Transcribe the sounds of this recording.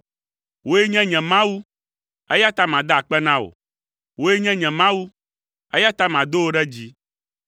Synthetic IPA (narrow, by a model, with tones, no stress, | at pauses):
wo˦je˦ɲɛ̃˦ɲɛ̃˨mã˦wu˦ | e˦ja˦t̪a˦mã˨d̪a˦a˨k͡pɛ˦nã˦wo̰˨ | wo˦je˦ɲɛ̃˦ɲɛ̃˨mã˦wu˦ | e˦ja˦t̪a˦mã˨d̪o˦wo˦ɖɛ˦d͡ʑi˦